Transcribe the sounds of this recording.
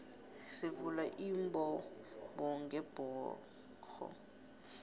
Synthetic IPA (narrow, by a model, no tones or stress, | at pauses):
sɪvulaʔim̩bɔ | ɓɔŋɡɛb̥ʱɔː | xʰɔ̰